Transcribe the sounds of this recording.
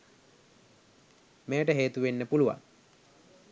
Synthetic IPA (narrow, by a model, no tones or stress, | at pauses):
meːʈəɦeːt̪uʋenːəpuluʋa̰ŋ